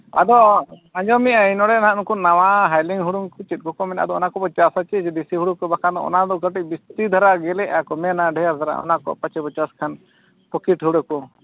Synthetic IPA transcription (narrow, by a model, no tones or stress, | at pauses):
ad̪ɔãɲd͡ʒɔmiajnɔɽɛnãnukunawaɦajliŋɦuɽuŋkɔt͡ʃit̪̚kɔkɔmɛna̰d̪ɔɔnakɔbɔt͡ʃasat͡ʃɛd͡ʒɛd̪isiɦuɽukɔbakʰad̪ɔɔ̰nad̪ɔɡəʈibist̪id̪ʱaɾaɡɛlɛakɔmɛnaɖʱɛjasd̪ʱaɾa̰ʔɔ̰nakɔ̰pat͡ʃɛbɔt͡ʃaskʰan | pɔkiʈɦuɽɛkɔ